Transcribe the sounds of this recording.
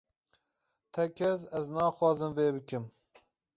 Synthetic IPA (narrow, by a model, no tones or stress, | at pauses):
t̪ʰɛkʲʰɛs̬ɛznɑːxwɑːzɨmveːbɨkɨm